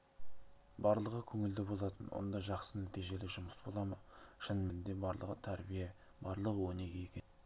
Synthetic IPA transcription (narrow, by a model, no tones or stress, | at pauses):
bɑɾlˠəʁəkʲʰɵŋɪld̪ɪbo̞lˠɑt̪ənwo̞̰nd̪ɑʒɑqsənæt̪ijʒe̞lɪʒʊməsbo̞lˠɑməʃɪnmend̪e̞bɑɾlˠə̰ʁət̪ʰæɾbije | bɑɾlˠəʁəwɵne̞ɡʲe̞jekʲen